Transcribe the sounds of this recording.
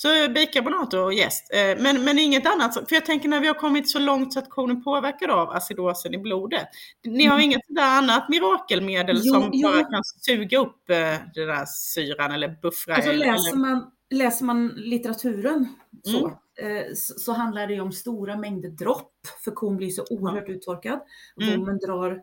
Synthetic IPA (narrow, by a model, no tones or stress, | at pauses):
sɔbiːkabʊnɑːt̪ʊɾɔjɛ̰st̪mɛnmɛnɪŋːət̪anːat̪sɔfœɾjɑt̪ʰɛŋkəɳæɾvɪhaɾkʰɔmːɪt̪sɔlɔŋt̪sɔat̪kʰuːnənpʰoːvæɾkad̪ava̰sɪd̪oːsənɪbluːd̪ət̪nɪhaɾɪŋːət̪sɔd̪æːɾanːat̪mɪɾɑːkəlmeːd̪əlsɔmbɑːɾakʰansʉ̟ːɡaɵpːd̪ɛndæ̰ːɾsyːɾanɛlːəɾbɵfɾasɔlɛːɛlːəman | lɛːsəɾmanlɪt̪əɾat̪ʰʉ̟ːɾənsɔ | sɔsɔɦand̪laɖɛjɵɔmst̪uːɾamɛŋd̪əɾd̪ɾɔpːfœɾkʰuːnblɪsɔʔuːəɾhœːʈʉ̟ːt̪ʰɔɾkad̪kʰuːnənd̪ɾɑːɾ